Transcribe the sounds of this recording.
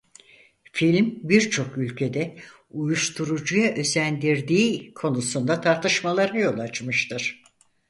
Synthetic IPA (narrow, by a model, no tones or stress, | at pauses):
filʲmbiɾt͡ʃʰo̞kylʲcʰe̞d̪ɛ | ujuʃt̪ʰuɾud͡ʒujaʔø̞zænd̪iɾd̪iːkʰo̞nusund̪at̪ʰaɾt̪ʰɯʃmalˠaɾajo̞lˠat͡ʃmɯʃt̪ʰɯɾ̥